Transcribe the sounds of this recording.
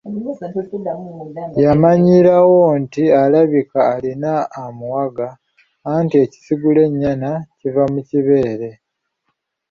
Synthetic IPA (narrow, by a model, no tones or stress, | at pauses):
jamaɲiɾawo̞ntialaβikaːlinaːmuwaɡaː | ntie̞ci̥siɡule̞ɲːanacivamuciβe̞ːɾe̞